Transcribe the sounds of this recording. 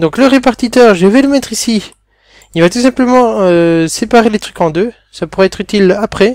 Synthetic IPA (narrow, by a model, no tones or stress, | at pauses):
d̪ɔ̃kləʁepaʁt̪it̪œːʁʒeveləmɛt̪χisi | ilvat̪us̬ɛ̃pləmɑ̃øsepaʁelet̪χykɑ̃d̪ø | sapuʁɛɛt̪χyt̪ilapχɛ